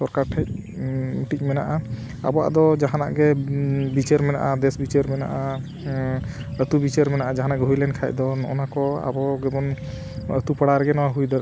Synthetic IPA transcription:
sɔɾkaɾʈʰɛc̚ | ʈic̚ˀmɛnaʔa | a̰bɔa̰d̪ɔd͡ʒaɦana̰ʔɡɛbit͡ʃəɾmɛna̰ʔad̪ɛsbit͡ʃəɾmɛnaʔa | ət̪ubit͡ʃəɾmɛnaʔad͡ʒaɦanaʔɡɛɦujlɛnkʰajc̚d̪ɔnɔ̰ʔɔnakɔa̰bɔɡɛbɔn | ə̰t̪upəɽaɾɡɛnɔwaɦujd̪ɔɾ

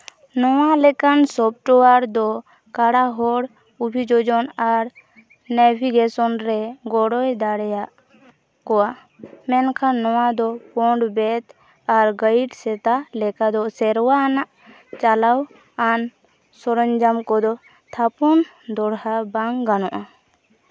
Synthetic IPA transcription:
nɔwalɛkansɔp̚ʈɔwaɾd̪ɔ | kaɽaɦɔɽ | ubʱid͡ʒɔd͡ʒɔnaɾ | nɛbʱiɡɛsɔnɾɛɡɔɽɔjd̪aɽjaʔ | kɔwa | mɛnkʰanːɔwad̪ɔpɔɳɖbɛt̪ | aɾɡəiʈsɛt̪alɛkad̪ɔsɛɾwanaʔ | t͡ʃalaw | an | sɔɾɔɲd͡ʒamkɔd̪ɔ | t̪ʰapɔn | d̪ɔɽhabaŋɡanɔʔa

